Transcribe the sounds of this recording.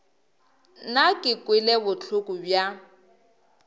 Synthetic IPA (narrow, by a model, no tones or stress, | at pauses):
nakʼɪkʼwɪlɛbʊt͡ɬʰʊkʼʊbja